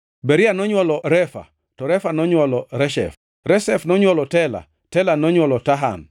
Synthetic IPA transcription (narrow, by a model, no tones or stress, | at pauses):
bɛɾianɔɲwɔlɔɾɛfa̰ | tɔɾɛfanɔɲwɔlɔɾɛʃɛ̰f | ɾɛsɛfnɔɲwɔlɔtɛla̰ | tɛlanɔɲwɔlɔtaɦa̰m